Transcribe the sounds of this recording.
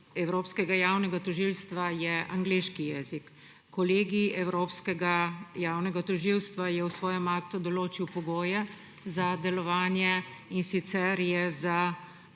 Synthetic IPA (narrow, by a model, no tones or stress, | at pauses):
ɛwɾoːpskɛɡajaːwnɛɡat̪ɔʒilst̪ʋajɛʔaŋɡleːʃkijɛːzikː | ɔleːɡiɛwɾoːpskɛɡajaːwnɛɡat̪ɔʒiwst̪ʋajɛwsʋɔːjɛmaːkt̪ud̪ɔloːt͡ʃiwpɔɡoːjɛ | zad̪ɛlɔʋaːnjɛinsit̪sɛɾjɛza